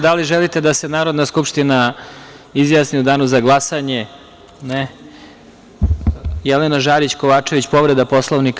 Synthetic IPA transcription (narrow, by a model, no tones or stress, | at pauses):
d̪aliʒelit̪e̞d̪ase̞naːɾo̞d̪naskupʂt̪ina | izjaːsniud̪aːnuzaɡlˠasaɲe̞ | ne | jɛlenaʒaːɾit͡ɕko̞ʋaːt͡ʂe̞ʋit͡ɕpo̞ʋɾe̞d̪apo̞slˠoʋnik